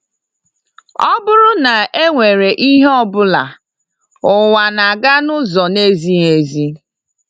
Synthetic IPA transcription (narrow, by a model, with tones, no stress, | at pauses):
ɔ˦bʊ˦ɾʊ˦na˨ʔe˦ŋʷe˨ɾe˨ʔi˦ɦe˦ɔ˦bʊ˦la̰˨ | ʊ˨wa˨na˨ɡa˦nʊ˦zɔ˨ne˦zi˦ɦe˨zi˦